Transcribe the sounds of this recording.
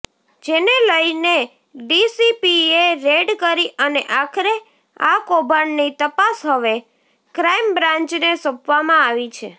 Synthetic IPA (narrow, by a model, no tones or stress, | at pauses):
d͡ʒeneləine | ɖisipieɾeɖkəɾiʔəneʔakʰɾe | a̰kobʱannit̪əpasɦəʋe | kɾaimbɾãɲt͡ʃnesəpʋamãaʋit͡ʃʰe